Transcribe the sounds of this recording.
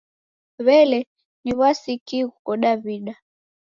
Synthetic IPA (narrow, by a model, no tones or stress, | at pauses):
βɛlɛ | niβwasikiɣukɔɗaβiɗa